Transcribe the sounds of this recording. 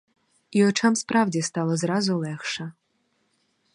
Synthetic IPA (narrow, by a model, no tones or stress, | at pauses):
iɔt͡ʃɑmspɾɑwdʲist̪ɑlˠɔzɾɑzʊlˠɛxʃɐ